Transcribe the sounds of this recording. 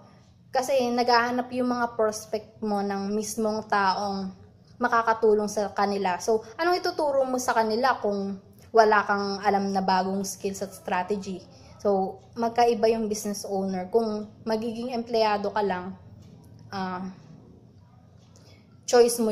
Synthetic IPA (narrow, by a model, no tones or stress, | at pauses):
kɐsɛnɐɡaːhɐnapjʊŋmɐŋapɹoːspɛk̚t̪̚mo̞nɐŋmismo̞ŋt̪aːʔo̞ŋ | mɐkaːkɐt̪uːloŋsɐkɐnɪlaso̞ʔɐnoŋɪt̪ʊt̪uːɾomo̞sɐkɐnɪlakʊŋ | wɐlaːkɐŋʔɐlamnɐbaːɡoŋskilsɐt̪̚st̪ɾaːt̪ɛd͡ʒi | so̞w | mɐɡ̚kɐʔɪbajʊŋbisnɛsʔownɛɹkʊŋmɐɡiːɡɪŋɛmplɪjaːd̪o̞kɐlaŋ | ʔa | t͡ʃo̞jsmo